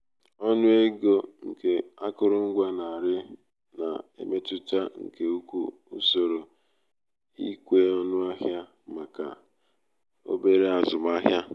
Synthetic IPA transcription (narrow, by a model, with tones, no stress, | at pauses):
ɔ˦nʊ˦e˦ɡo˦ŋ̩˨ke˨a˦kʊ˦ɾʊ˦ŋ̩˦ɡʷa˦na˨a˨ɾɪ˦ | na̰˨ḛ˨me˦tʊ˦t͡ʃa˦ŋ̩̰˨ke˨u˦kʷṵ˦ | u˦so˨ɾo˨ | i˦kʷe˦ɔ˦nʊ˦a˦ɦja˦ | ma˨ka̰˨ | o̰˦be˦ɾe˦a˨zʊ˨ma˦ɦja˦